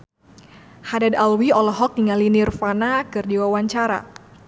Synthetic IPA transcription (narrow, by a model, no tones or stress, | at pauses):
hadadalwiɔlɔɦɔk̚diŋalinirfanakɨrdiwawaɲt͡ʃaɾa̰